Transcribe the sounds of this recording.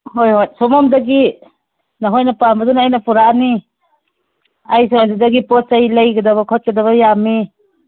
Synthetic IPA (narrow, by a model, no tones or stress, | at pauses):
hojhojsɔmɔmdɐɡi | naɦojnapambɐdunajnɐpʰuɾani | ajs̬ɔadidɐɡipɔt͡ʃajlajɡɐdɐβɐkʰɔt̚kedaβɐjami